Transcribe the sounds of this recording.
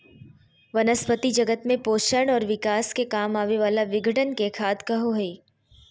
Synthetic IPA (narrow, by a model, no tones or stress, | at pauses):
ʋɐnəspət̪id͡ʒɐɡət̪mẽpoːʃəɳ̃ɔːɾʋɪkaːskekaːmaːʋeʋaːlaʋɪɡʱəʈənkekʰaːt̪kɐɦoɦiː